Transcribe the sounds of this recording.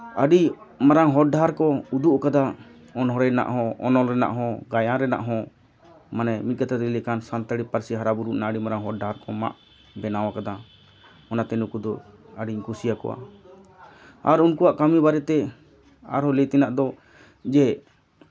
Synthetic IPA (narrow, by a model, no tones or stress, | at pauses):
aɖimaɾaŋɦɔɖaɾkɔud̪uʔkad̪a | ɔnɦɔɾɛna̰ʔɦɔ̃ɔ̰nɔlɾɛna̰ʔɦɔ̃ɡajãɾɛna̰ʔɦɔ̃ | manɛmit̪̚kat̪ʰat̪ilɛkansant̪aɽipaɾsiɦaɾabuɾuʔnaaɖimaɾaŋɦɔɖaɾkɔma̰ʔ | bɛnawakad̪a | ɔnat̪ɛnukud̪ɔ | aɖiɲkusijakɔ̰wa̰ | aɾunkuwaʔkamibaɾɛt̪ɛ | a̰ɾhɔ̃lɛt̪ɛnaʔd̪ɔ | d͡ʒɛ